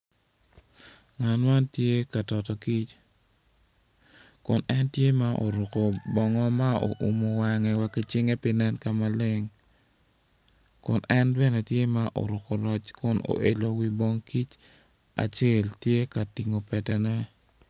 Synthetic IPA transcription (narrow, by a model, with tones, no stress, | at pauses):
ŋa˨nma˦ntje˦ka˨tɔ˨tɔ˨ki˦t͡ʃ | kʊ˨nɛ˦ntje˦ma˦ʔo̰˨ɾʊ˨ko˨bɔ˨ŋɔ˦ma˦o̰˨ʔu˨mo˨wa˦ŋɛ˨wa˦ki˦t͡ʃɪ˦ŋe˦pɪ˦nɛ˦nka˨ma˦lɪ˦ŋ | kʊ˨nɛ˦nbɛ˦nɛ˨tje˦ma˦ʔo̰˨ɾʊ˨ko˨lɔ˦t͡ʃkʊ˦no̰˨ʔe˨lo˨wi˦bɔ˦ŋki˦t͡ʃ | a̰˨t͡ʃe˦ltje˦ka˨ti˨ŋo˨pɛ˨tɛ˨nɛ˦